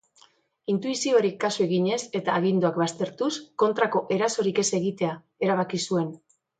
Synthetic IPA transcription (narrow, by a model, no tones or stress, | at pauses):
int̪uisio̞ɾikːasue̞ɣiɲe̞se̞t̪aːɣind̪oakβast̪e̞ɾt̪usko̞nt̪ɾako̞ʔe̞ɾaso̞ɾike̞se̞ɣ̞it̪e̞a | e̞ɾaβ̞akisue̞n